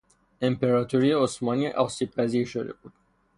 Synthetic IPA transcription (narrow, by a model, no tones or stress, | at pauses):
empeɾɑːt̪ʰoɾijeosmɒːniʔɒsiːb̚pʰæziːɾʃod̪ḛbṵːd̪̥